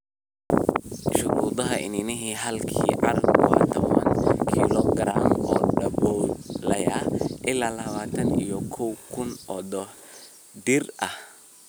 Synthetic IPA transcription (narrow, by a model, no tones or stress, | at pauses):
ʃʊɾuːd̪ɐɦɐʔɪ̰nɪnɪɦiːɦɐlkʰiːʕɑrɐbwɑ̰ːt̪ʰɔβɐ̰nkʰiːlɔɡɾaːmɔːɖɐbɔlɐjɐʔɪlaːlɐβaːt̪ʰɐnijɔkʰɔwkʰʊnʔɔd̪ɔ | d̪ɪrʔɐh